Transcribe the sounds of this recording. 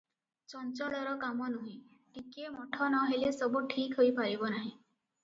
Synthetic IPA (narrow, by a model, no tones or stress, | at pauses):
t͡ʃɔnt͡ʃɔɭɔɾɔkamɔnuɦĩ | ʈikemɔʈʰɔnɔɦelesɔbuʈʰikɦojpaɾibɔnaɦĩ